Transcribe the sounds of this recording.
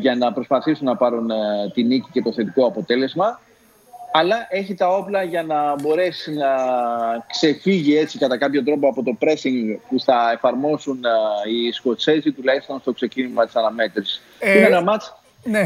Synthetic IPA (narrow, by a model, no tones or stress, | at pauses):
ʝɐnɐpɾo̞spɐθisunːɐpɐɾunt̪inicice̞t̪o̞θe̞t̪iko̞ɐpo̞t̪e̞le̞zmɐ | ɐlɐʔe̞çit̪ɐo̞plɐʝɐnɐbo̞ɾe̞sinɐ | kse̞fiʝie̞t͡sikɐt̪ɐkɐpçot̪ɾo̞po̞ɐpo̞t̪o̞pɾe̞siŋɡpuθɐe̞fɐɾmo̞sunisko̞t͡se̞zit̪ulɐist̪o̞nst̪o̞kse̞cinimɐt̪isɐnɐme̞t̪ɾis | inenɐmɐt͡s | ne